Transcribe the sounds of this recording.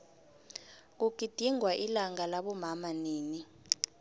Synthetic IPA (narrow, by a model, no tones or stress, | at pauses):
k̬uɡ̥̬ʱʼid̥ʱiŋwaʔilaŋalaɓɔmamaneːni